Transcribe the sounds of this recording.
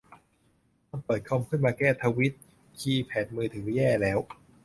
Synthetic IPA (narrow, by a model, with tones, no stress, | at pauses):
taː˧˥npɤː˨˩t̪̚kʰɔ˧mkʰɯ˥˩nmaː˧kɛː˥˩t̪ʰaː˧wi˦˥t̪̚ | kʰiː˧pʰɛː˨˩t̪̚mɯː˧t̪ʰɯː˩˦jɛː˥˩lɛː˦˥w